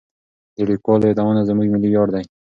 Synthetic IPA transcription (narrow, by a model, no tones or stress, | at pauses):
d̪əlikwɑləed̪awonazəmuɡmɪlijɑɾd̪aj